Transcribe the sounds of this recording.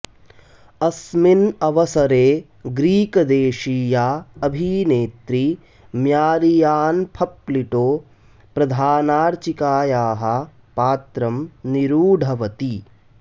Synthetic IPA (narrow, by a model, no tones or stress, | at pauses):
ɐsminɐʋɐsɐɾeː | ɡɾiːkɐd̪eːʃiːjaːɐbʱiːneːt̪ɾi | mjaːɾijaːnpʰɐpliʈoː | pɾɐd̪ʱaːnaːɾt͡ʃikaːjaːɦɐ̆ | paːt̪ɾɐmniɾuːɖʱɐʋɐt̪i